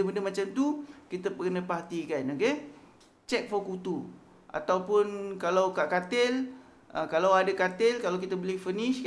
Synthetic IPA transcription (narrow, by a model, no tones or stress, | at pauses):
əbəndəmat͡ʃamt̪ukit̪əpəkənapat̪ikanoke | t͡ʃɛk̚fɔkut̪u | ʔa̰t̪awpʊnkalawkaʔkat̪ɪl | əkalawadakat̪ɪlkalawk̬it̪abəlɪhfənɪʃ